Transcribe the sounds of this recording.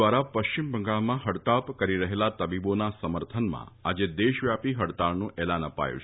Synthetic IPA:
ʋaɾapəʃt͡ʃimbʱə̃ŋɡaɭmãɦəɽt̪apkəɾiɾəɦelat̪əbibonasəməɾt̪ʰənmã̰ad͡ʒed̪eʃʋjapiɦəɽt̪aɭnũʔɛlanəpa̰jṵt͡ʃʰ

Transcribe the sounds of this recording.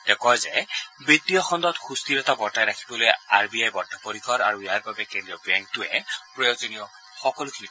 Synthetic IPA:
d̥ɛkɔjzɛbitijɔxɔndɔtxustiɹɛtabɔɹtajɹakʰi̥bɔlojaɹbiajbɔɹtapoɹikʰɔɾa̰ɹujaɹbabɛkendɹiɔbɛŋk̚tʊɛpɹɔjozɔnijɔ | xɔkɔlʊkʰinik

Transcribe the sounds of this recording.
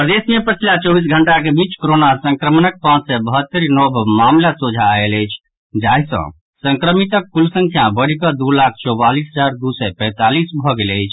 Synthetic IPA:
pɾd̪esnijəpət͡ʃʰlat͡ʃɔbis̬ɡʱəɳʈakebit͡ʃkoɾonasə̃ŋkɾəmnək̚pãt͡ʃsɛbəɦət̪ːəɾnɔbʱmamlasod͡ʒʱaeləjt͡ʃʰ | d͡ʒaisə̰̃ | səŋkɾəmit̪əkːulsə̃ŋkʰjabəɽikəd̪ulak̚ʰt͡ʃɔbalisɦəd͡ʒaɾd̪usɛpɛ̃t̪alisbʱɔɡeləjt͡ʃʰ

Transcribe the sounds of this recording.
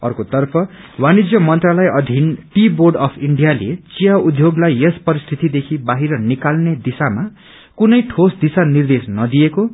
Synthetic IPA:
ʌ̰rkot̪ʌrpʰʌ | wanid͡zjʌmʌnt̪ralʌjʌd̪ʱinʈiborɖʌpʰiɳɖijalet͡sijaud̪ʱjoɡlajespʌɾist̪ʰit̪id̪ekʰibaɦiɾʌnikalned̪isama | kunʌjʈʰosd̪isanird̪esnʌd̪ieko

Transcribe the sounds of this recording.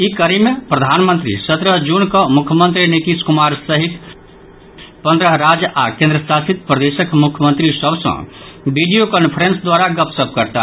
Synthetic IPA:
ikəɾimepɾəd̪ʱanmənt̪ɾḭsət̪ɾəd͡ʒunkəmukʰjəmənt̪ɾinit̪iskumaɾsəɦit̪ | pə̃nd̪ɾəɦɾad͡ʒa̰kẽnd̪ɾəsasit̪̚pɾəd̪esəkmukʰjəmənt̪ɾisəbsə̰̃biɖijokənpʰəɾensd̪waɾaɡəpsəp̚kəɾt̪a̰

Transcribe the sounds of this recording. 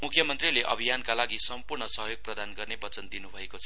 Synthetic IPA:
mukʰjʌmʌnt̪rileʔʌ̰bʱijankalaɡisʌmpurɳʌsʌɦjoɡ̚prʌd̪anɡʌrnebʌt͡sʌnd̪inubʱʌekot͡sʰʌ

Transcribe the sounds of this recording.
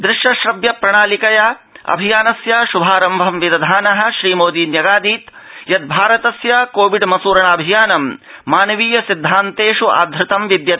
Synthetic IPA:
d̪ɾɪʃɐʃɾɐbjɐpɾɐɳaːlikɐjaɐ̰bʱijaːnɐsjaʃubʱaːɾɐmbʱɐmʋid̪ɐd̪ʱaːnɐɦɐ̆ʃɾiːmoːd̪iːnjɐɡaːd̪iːt̪jɐd̪̚bʱaːɾɐt̪ɐsjɐkoːʋiɖmɐsuːɾɐɳaːbʱijaːnɐmː | aːnɐʋiːjɐsid̪ʱːaːnt̪eːʃua̰ːd̪ʱɾɪt̪ɐmʋid̪jɐt̪

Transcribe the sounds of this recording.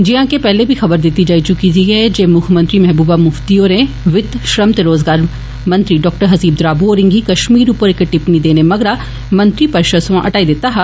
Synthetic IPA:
d͡ʒɪãːkepɛːlebʱiːxɐbəɾd̪ɪt̪ːid͡ʒaːit͡ʃʊkiːd̪iɦɛd͡ʒeːmʊkʰmə̃nt̪ɾiːmɛɦbuːbaːmʊft̪iːoːɾẽ | ʋɪt̪ʃɾəmt̪eɾoːzɡaːɾ | mənt̪ɾiːɖɔːk̚ʈəɾɦɐziːb̚d̪ɾaːbuoːɾɪ̃ŋɡiːkəʃmiːɾupəɾɪkʈɪpniːd̪eːneːmɐɡɾaː | mə̃nt̪ɾiːpəɾʃəsʋãʔəʈaːid̪ɪt̪ːaːɦa

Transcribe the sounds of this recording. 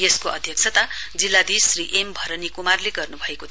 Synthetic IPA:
jeskoʌ̰d̪ʱjʌk̚t͡sʰʌt̪a | d͡zilːad̪isriʔembʱʌɾʌnikumarleɡʌrnubʱʌekot̪

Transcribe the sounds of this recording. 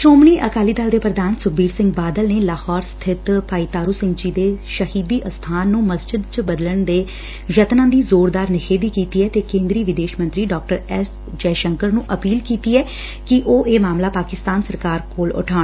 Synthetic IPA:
ʃoːmniːʔəkaːliːd̪aːld̪eːpɾəd̪aːnsʊk̚ʰbiːɾsɪ̃ŋɡbaːd̪əlneːlaːhɔːɾst̪ʰɪt̪paːiːt̪aːɾuːsɪ̃ŋɡd͡ʒiːd̪eːʃəhiːd̪iːʔəst̪ʰaːnːũːməsd͡ʒɪd̪̚t͡ʃəbəd̪ələɳd̪eː | jət̪nãːd̪iːzoːɾd̪aːɾnɪkʰeːd̪iːkiːt̪iːɛːt̪eːkẽːnd̪ɾiːʋɪd̪eːʃmənt̪ɾiːɖɔːk̚ʈəɾɛs | d͡ʒɛːʃəŋkəɾnũːʔəpiːlkiːt̪iːɛː | kɪʔoːʔeːmaːmlaːpaːkɪst̪aːnsəɾkaːɾkoːlʊ̰ʈʰaː

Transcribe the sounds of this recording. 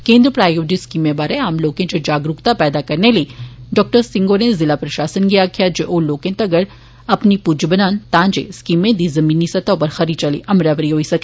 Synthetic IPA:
kẽːnd̪ɾəpɾaːjoːd͡ʒiskiːmẽbaːɾeaːmloːkẽd͡ʒod͡ʒaːɡɾʊkt̪apɛːd̪akɐɾneliɖɔːk̚ʈəɾsɪ̃ŋɡoːɾnẽzɪlapɾɐʃaːsənɡijakʰijad͡ʒeʔoloːkẽt̪ɐɡəɾ | ɐpnipud͡ʒbənaːnt̪ãːnd͡ʒḛskiːmːẽd̪iːzɐmiːnːisɐt̪apɐɾxɐɾit͡ʃɐlḭʔɐmɾaʋəɾiɦoːisɐke

